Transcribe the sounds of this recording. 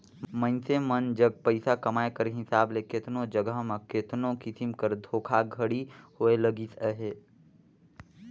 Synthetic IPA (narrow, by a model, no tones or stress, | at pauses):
mə̃nsemənd͡ʒəɡ̚pəɪsakɐmaːekəɾɦɪsaːbleket̪nõd͡ʒəɡəɦmãket̪nõkɪsimkəɾd̪ʱoːkʰaɡʱəɽihoeləɡit̪əɦeː